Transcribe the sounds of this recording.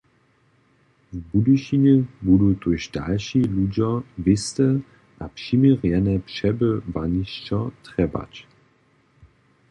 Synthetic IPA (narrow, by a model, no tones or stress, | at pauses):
vbuduʃinɛbudutuʃda̰lʃilud͡ʑɐvɪstə | ʔapʃimiʁjɛnɛpʃɛbəvaniʃt͡ʃɔtʁɛba̰t͡ɕ